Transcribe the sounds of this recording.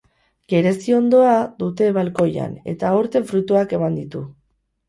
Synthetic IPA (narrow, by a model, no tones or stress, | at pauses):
ɡ̥e̞ɾe̞sio̞nd̪o̞ad̪ut̪e̞βalko̞ja̰ne̞̰t̪aoɾt̪e̞ɱfɾut̪uake̞mand̪it̪u